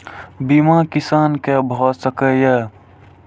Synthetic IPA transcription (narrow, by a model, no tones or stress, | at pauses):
bimakisankebʱɔsəkəje